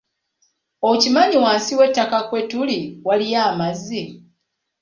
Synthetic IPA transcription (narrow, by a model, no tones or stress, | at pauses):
ocimaɲiwaːnsiwe̞tːakakwe̞tuliwalijaːmazːi